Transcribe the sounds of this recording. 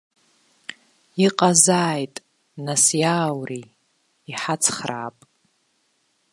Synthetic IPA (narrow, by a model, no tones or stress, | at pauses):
iqʼazaːjtʼ | nasjaːwriː | ħat͡sʰχra̰ːpʼ